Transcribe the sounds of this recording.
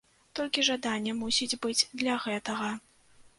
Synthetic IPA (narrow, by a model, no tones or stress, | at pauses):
t̪ɔlʲkʲiʐad̪anʲːɐmusʲid͡zʲbɨd͡zʲd̪lʲɐɣɛt̪ɐɣɐ